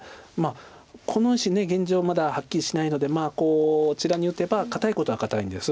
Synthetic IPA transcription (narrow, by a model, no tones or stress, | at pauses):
maː | kʰo̞no̞iɕine̞ɡẽ̞ɲ̟d͡ʑo̞ːmad̪ahakʲːiɾʲiɕinaino̞d̪e̞maːko̞ːt͡ɕiɾaɲ̟iɯ̟t̪e̞bakat̪aiko̞t̪o̞ɡakat̪aĩnd̪e̞sɨ